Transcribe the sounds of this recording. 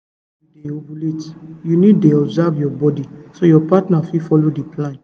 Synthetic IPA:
deobuletjuniddeɔbzavjɔbɔdisojɔpatnafifɔlodiplãn

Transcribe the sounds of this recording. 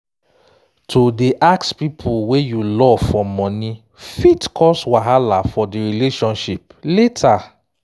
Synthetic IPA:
tʰodeʔakspipʰuwejulɔvfɔmːɔ̃ni | fitkʰɔswaɦalafɔdiɹileʃɔ̃nʃip | letʰa

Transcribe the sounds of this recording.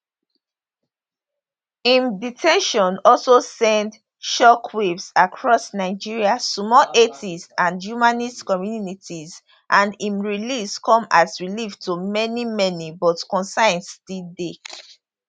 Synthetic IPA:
ĩmditʰɛ̃nʃɔ̃nɔlsosɛ̃nd | ʃɔkʰwipsakʰɹɔsnaɪd͡ʒiɹiasmɔlʔetʰistãndjumãnistkɔmjununitʰiz | ʔãndĩmɹiliskɔ̃mazɹiliftumɛnimɛnibɔtkɔ̃nsãɪ̃nstilde

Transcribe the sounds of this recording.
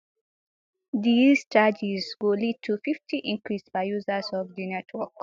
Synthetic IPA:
d̪izt͡ʃad͡ʒizɡ̥oːlid̚tʰufiftʰiʔĩŋkɹisbaɪjuzəzɔvdinɛtʰwɔk

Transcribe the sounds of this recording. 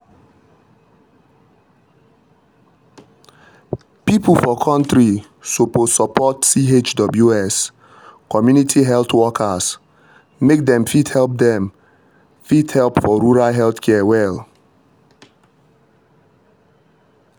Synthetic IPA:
pipl̩fɔkʰɔ̃ntɾi | sopossɔpɔtsiɦet͡ʃdɔbljuɛs | kɔmjunitʰiɦɛlt̪wɔkʰas | mek̚dɛ̃mfidhɛlp̚dɛ̃m | fithɛlpfɔɾuɾaɦɛlθkʰɛawɛl

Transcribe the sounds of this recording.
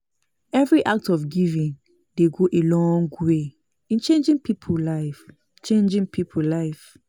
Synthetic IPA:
ɛvɹiʔak̚tɔfɡivĩn | deɡoʔelɔ̃ŋɡwe | ĩnt͡ʃẽnd͡ʒĩŋpʰipʰulaɪf | t͡ʃẽnd͡ʒĩŋpʰipʰulaɪf

